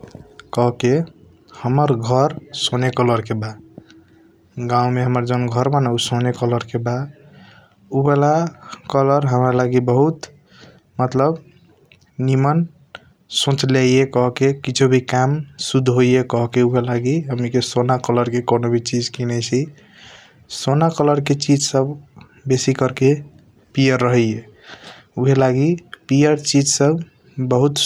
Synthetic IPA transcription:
kɔɦke | həməɾɡʱəɾsonekələɾkeba | ɡãũmeɦəməɾd͡ʒonɡʱəɾbənausonekələɾkeba | ubelakələɾɦəmɾalaɡibəɦut̪ | mət̪ləb | nimən | sõt͡ʃlajjekɔɦkekit͡ʃʰobʱikamsud̪ʱːɦojjekɔɦkeuɦelaɡiɦəmikesonakələɾkekonobʱit͡ʃid͡ʒkinɛt͡ʃʰi | sonakələɾket͡ʃid͡ʒsəb | besikəɾke | pijəɾːəɦɛe | uɦelaɡipijəɾt͡ʃid͡ʒsəb | bəɦut̪

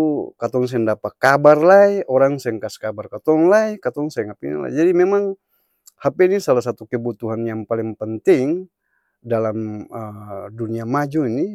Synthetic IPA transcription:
t̪ukat̪ɔŋs̬ɛndapakabarlaiɔɾaŋsɛŋkaskabarkat̪ɔŋlajkat̪ɔŋsajŋapḭnḭla̰jd͡ʒadimemaŋ | hapɛinisalas̬at̪ukəbut̪uɦanjaŋpaliŋpənt̪iŋ | dalaməduniamad͡ʒuini

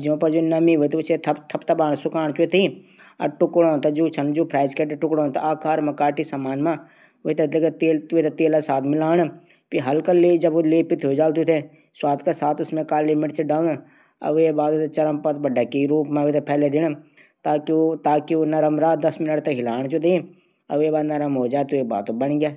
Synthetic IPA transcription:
d͡ʒõːpɐɾd͡ʒoːnɐmiɦʊit̪eʊset̪ʰɐt̪ʰɐpt̪ʰɐbaːɽ̃sʊkaːɳ̃t͡ʃʊet̪ʰi | ɐ̰ʈʊkɽõt̪ad͡ʒuːt͡ʃʰɐnd͡ʒoːpʰɾaːɪzkeːʈʈʊkɽõt̪a̰aːkaːɾmɐkaːʈisɐmaːnmã | ʊit̪ed̪lekt̪eːlt̪ut̪et̪eːlasaːt̪ʰmɪlaːɽ | piɦɐlkɐled͡ʒɐboleːpɪt̪ɦod͡ʒaːlt̪̬ut̪ʰe | swaːt̪kasaːt̪ʊsmẽkaːlːɪmɪʈseɖaːl | ɐ̰ʋebaːd̪ot̪et͡ʃɐɾəmpɐt̪bɐɖɐkiɾuːpmãʋt̪epʰɛːled̪ɪñ | t̪aːkiot̪aːkionɐɾəmɾaːd̪ɐsmɪnəʈt̪ɐɦɪlaːɽ̃d͡ʒod̪e | ɐ̰ʋebaːd̪nɐɾəmɦoːd͡ʒaːt̪oeba̰ːt̪obɐnɡjaː

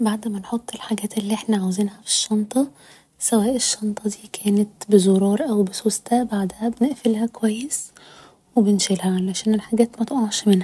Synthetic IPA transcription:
baʕd̪mænħot̪ˤːelħaɡæːt̪elːiʔeħnæʕawziːnhæfi̥ʃːɑnt̪ˤɑ | sæwæːʔeʃːɑnt̪ˤɑd̪iːkʰæːnæt̪bezoɾˤɑːɾˤʔæwbesoːst̪æbaʕd̪hæbeneʔfelhækowæjːes | webenʃelhæʕlæʃæːnelħaɡæːt̪mæt̪ʔoʕʃmenhæ

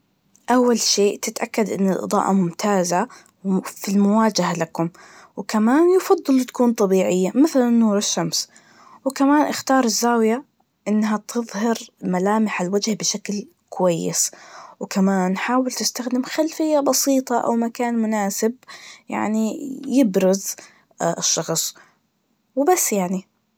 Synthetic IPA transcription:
ʔawːalʃeːʔt̪ɪt̪ʔakːad̪ʔɪnːɪlʔɨ̰d̪ˤɑ̰ːʔɑmʊmt̪ʰaːza | filmʊwaːd͡ʒahalakʊm | wkamaːnjɑfɑðˤːɨlwt̪ḁkuːnt̪ˤɑbiːʕɪjːamɪθlanːuːɾɪʃːams | wkamaːnʔɪxt̪ɑːɾˤɪzːaːwja | ʔɪnːɦat̪ʰɨðˤhɪɾmalaːmɪħalwad͡ʒhbɪʃakl | kʊwajːɪ̰swkamaːnħaːwɪlt̪ɪst̪axd̪ɪmxalfɪjːabɑsiːt̪ˤɑʔa̰wmakaːnmʊnaːsɪbja̰ʕnijɪbɾʊz | ɪʃːɑxsˤ | wbasːjaʕni

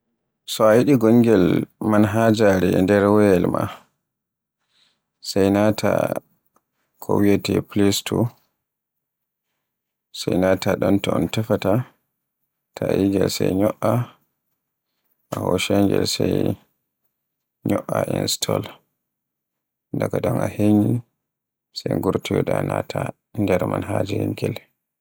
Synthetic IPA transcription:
sɔajiɗiɡɔŋɡɛlmanɦad͡ʒaɾɛndɛɾwɛjɛlma | sajnatʰa | kʰɔwiatɛplistʰu | sajnataɗɔntɔɔntɛfata | tʰaiɡɛlsɛjɲɔʔa | ʔahɔʃɛŋɡɛ̰lsaj | ɲɔʔːaʔinstʰɔl | ndakadɔŋaheɲi | sɛjŋɡuɾtijɔɗanatʰa | ndɛɾmanɦad͡ʒɛhiŋɡɛl

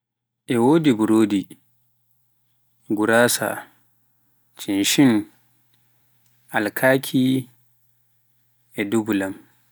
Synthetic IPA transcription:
ʔɛwoːdibuɾoːdi | ɡuɾaːsa̰ | t͡ʃinʃin | ʔalkʰaːkʰi | ʔɛdubulam

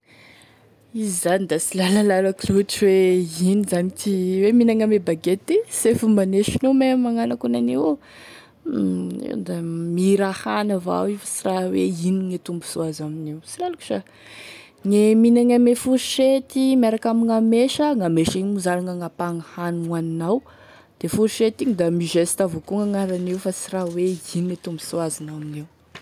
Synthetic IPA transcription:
izizanid̪asilalalalakluʈ͡ʂiweinizanmit̪iweminaŋamebaɡet̪isefumaneʃinomemaŋanakunane | ḛwd̪amiɾahanava̰wifə̥siraweiniŋet̪umbuz̥oazaminiwsilaluku̥ʃa | ŋeminaŋamefuɾiʃet̪imaɾakamiŋameʃəŋameʃiɲmuzaluŋaŋapaŋahananinaw | d̪̥efuɾiʃet̪iɲid̪amiʒest̪avokuŋaŋaɾaniwfasiraweiniŋet̪umbusuazinaminiw

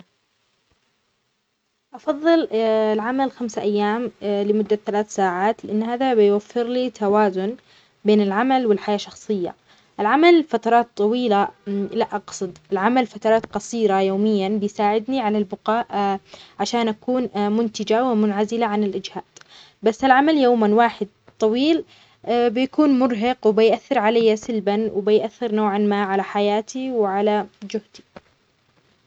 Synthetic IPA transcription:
ʔɑfɑðˤːɨllʕamalxamsaʔajːaːmlɪmʊd̪ːaθalaːθsaːʕaːt̪lɪʔanːhaːðabɪjwafːɪɾlit̪ʰawaːzʊn | beːnɪlʕamalwɪlħajaːʃɑxsˤɨjːa̰ | ʔɪlʕamalfat̪ɑɾˤɑːt̪ˤːɑwiːlalaʔɑqsˤɨd̪ɪlʕamalfat̪ɑɾˤɑːt̪qɑsiːɾajoːmɪjːanbɪjsaːʕɪd̪niʕalalbʊqɑːʔʕaʃaːnʔakuːnmʊnt̪ɪd͡ʒawɪmʊnʕazɪlaʕanɪlʔɪd͡ʒhaːd̪̥ | basːɪlʕamaljoːmanwaːħɪd̪̚ | t̪ˤːɑwiːl | bɪjakuːnmʊɾɦɑqwbɪjʔaθːɪɾʕalajːasɪlbanwbɪjʔaθːɪɾnoːʕanmaːʕalaħajaːt̪ʰiwʕalad͡ʒʊht̪i̥

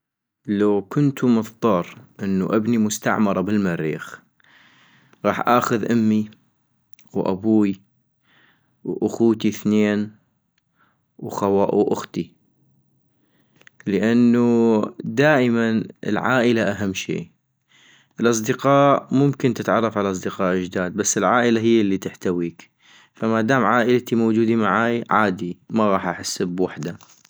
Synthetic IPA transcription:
lawkʊnt̪umɨθd̪ˤɑɾˤʔɪnːuʔabnimʊst̪a̰ʕmɑɾˤɑbɪlmaɾːḭːx | ɣɑːħʔaːxʊðʔʊmːi | wʔa̰buːi | wʔʊxuːt̪iθneːn | wxawaːʔuʔʊxt̪i | ləʔanːud̪aːʔmanɪ̰lʕa̰ːʔɪlaʔaɦamːʃḛː | ʔɪlʔɑs̬ˤd̪ɪqɑːʔmʊmkɪnt̪ɪt̪ʕɑrˤːɑfʕalaʔɑs̬ˤd̪əqɑːʔɪd͡ʒd̪aːd̪̚basːɪlʕaːʔɪlaɦɪjːlːit̪ɪħt̪awiːk | famad̪aːmʕaːʔɪlat̪imowd͡ʒuːd̪imaʕaːjʕaːd̪imaɣɑːħʔaħasːbwaħd̪a

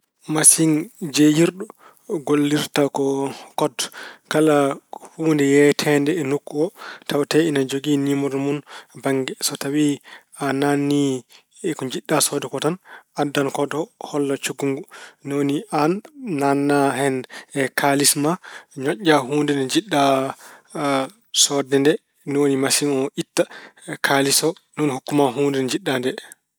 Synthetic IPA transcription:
masiŋd͡ʒejiɾɗɔ | ɡolːiɾtakɔkɔdkalahundɛjɛtʰɛndɛːnukːɔtʰawtɛinad͡ʒoɡinimɔɾmunbaŋɡɛsɔtawi | ananːi | ɛkɔɲd͡ʒiɗːasɔdɛkɔtanʔadːankɔdɔhɔlːat͡ʃuɡuŋɡunooniʔanːanːaɦɛnkʰalismaɲɔʔaɦuːndɛnɛd͡ʒiɗːa | sɔdɛndɛ | nɔwonimasimɔʔitːakʰalisɔnunhukːumaɦuːndɛnd͡ʒiɗːandɛ

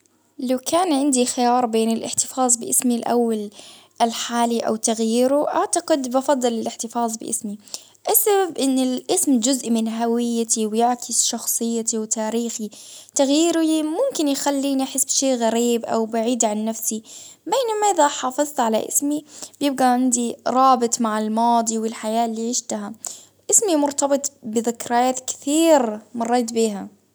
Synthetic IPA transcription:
lawkaːnʕɪnd̪ixɪjɑːɾˤbeːnɪlʔɪ̰ħt̪ɪ̥fɑːzˤbɪʔɪ̰smilʔa̰wːal | ɪlħaːliʔa̰wt̪aɣjiːɾuʔaʕt̪aɡɪd̪bɑfɑðˤːɨlɪlʔɪħt̪ɪfɑːðˤbɪ̰ʔɪ̰smi | ʔasːababʔɪnːɪlʔɪsmd͡ʒʊzʔmɪnɦawɪjːat̪iwjɪʕkʰɪsʃɑxsˤɨjːat̪iwt̪aːɾiːxit̪aɣjiːɾimʊmkɪnjxalːiːniʔaħɪsːbʃeːʔɣaɾiːbʔa̰wbaʕiːd̪ʕanːafsibeːnamaʔɪðaħɑːfɨzˤt̪ʕala̰ʔɪ̰smibjɪb̚ɡaʕɪnd̪iɾˤɑːbɨt̪ˤmaʕɪlmɑːd̪ˤiwɪlħajaːʔlːiːʕiːʃt̪aɦa | ʔɪsmimʊɾt̪ɑbɨt̪ˤbɪðɪkɾajaːt̪kɪ̥θiːɾmɑrˤːeːt̪biːɦa

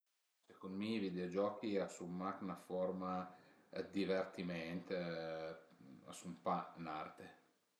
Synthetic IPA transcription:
sekond̪mivid̪eod͡ʒɔːkiasumːaknafɔrma | d̪ivert̪imɛnt̪e | a̰sumpana̰rt̪e

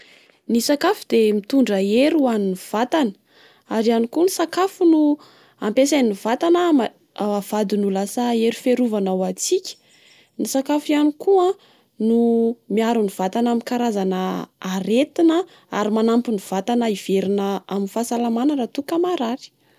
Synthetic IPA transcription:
nisakafud̪emit̪uɳɖ͡ʐəeɾuaniniv̥at̪anə̥ | aɾianikunisakafunu | ampesannivat̪anam | av̥ad̪inulasaeɾufeɾuvanawat͡sikʲə̥ | nisakafianikuã | numiaɾuniv̥at̪anamikaɾazanəːɾet̪inə | a̰ɾimanampuniv̥at̪anəiv̥eɾinəaminfasalamanərat̪ukamaɾaɾi̥

